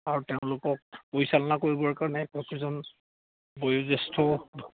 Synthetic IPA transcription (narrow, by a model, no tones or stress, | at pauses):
aɹutɛʊ̃lʊkɔk̚pojsalɔnakoɹibɔɹkaɹɔnɛkɔkɹizɔn | bɔjuzɛstʰɔ